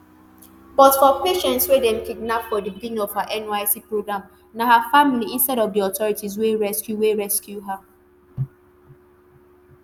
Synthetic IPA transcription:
bɔtfɔpeʃɛ̃ntswedɛ̃mkiɡ̚napfɔdibiɡĩnĩŋɔvhaʔɛnaɪsipɹoɡɹãm | naɦafamiliĩnstɛɾɔfdiɔtɔɹitizweɹɛskjuweɹɛskjuɦa

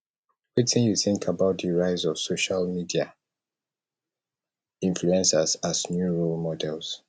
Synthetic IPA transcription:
witĩnjuθɪ̃ŋkʰabaʊt̚ðəɹaɪzɔv̥soʃalmidia | ĩnfluɛ̃nsazaznjuɹolmɔdɛlz̥

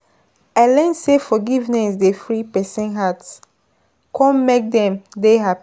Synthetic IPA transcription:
alɛ̃nsefɔɡivnɛsdefɹipɛsɛ̃nɦats | kʰɔ̃nmek̚dɛ̃mdeɦapi

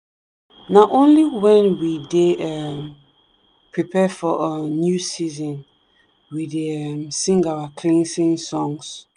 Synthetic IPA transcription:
naʔõnliwɛ̃nwideɛm | pʰɹipʰɛfɔʔənjusizɔ̃n | wideɛmsĩŋɡawakʰlĩnsĩnsɔ̃ŋs

